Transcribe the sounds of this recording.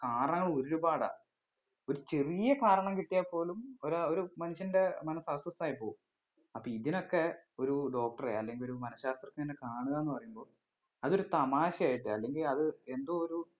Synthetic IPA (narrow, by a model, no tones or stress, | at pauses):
kaːɾɐɳɐŋːɐɭoɾɾubaːɽa̰ː | o̞ɾut͡ɕe̞rijɐkaːɾɐɳɐmkiʈːijapːo̞ːlumoɾoɾumɐnuɕɐnde̞mɐnɐsɐsɐsaːjipoːum | ɐpːoːiðino̞kːe̞o̞ɾuɖo̞ːk̚ʈɐreɐlːe̞ŋɡilo̞ɾumɐnɐɕaːst̪rɐkːɨnenːekaːɳuðɐenːɨpɐrɐjumbo̞ːɭ | ɐðo̞ɾut̪ɐmaːɕɐjaːjiʈːɨɐlːe̞ŋɡilɐðɨe̞nd̪oːoɾu